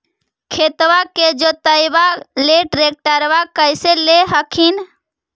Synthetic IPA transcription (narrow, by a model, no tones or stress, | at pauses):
kʰet̪waked͡ʒot̪əjbaleʈɾek̚ʈəɾbakəjseleɦəkʰin